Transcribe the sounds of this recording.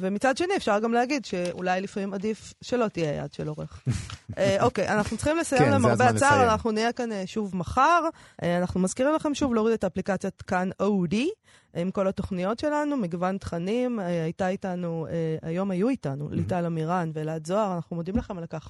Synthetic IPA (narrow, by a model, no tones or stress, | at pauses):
vemit͡sad̪ʃe̞niefʃaʁɡamleaɡid̪ʃe̞ṵlajlifmimadifʃe̞lo̞tijeja̰d̪ʃelo̞ʁḛχeʔo̞kejʔa̰naχnutt͡ssliχimlesajemlaemaʁbeat͡saʁanaχnuniekaneʃuvmaχaʁ | anaχnumazkiʁimlaχe̞mʃuvleoʁid̪et̪aːplikat͡sjotkanowdi | imko̞lat̪o̞χnijo̞tʃe̞lanumiɡvant̪χanimeajtaitanuea̰jo̞majuitanṵlitalamiʁanveleazoaʁanaχnumod̪imlaχe̞malkaχ